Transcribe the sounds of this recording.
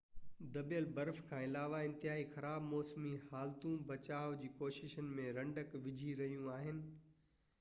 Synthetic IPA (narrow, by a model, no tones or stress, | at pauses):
d̪ɐbijəlbɐɾfkʰãːɪlaːʋaɪ̃nt̪ɪɦaːixɐɾaːbmɔːsmihaːlt̪ũbɐt͡ɕaːʋd͡ʑiːkoːʃɪʃənɪ̆mẽɾɐ̃ɳɖəkʋɪd͡ʑʱiɾɐɦijũaːɦɪnɪ̆